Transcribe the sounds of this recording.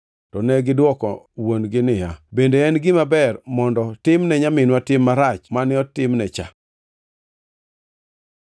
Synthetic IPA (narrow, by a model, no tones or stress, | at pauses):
tɔnɛɡɪdwɔkɔ̰wonɡɪnɪjabendeɛnɡɪmabɛrmɔndɔtɪmnɛɲamɪnwatɪmːaɾat͡ʃmanɪɔtɪmnɛt͡ʃa̰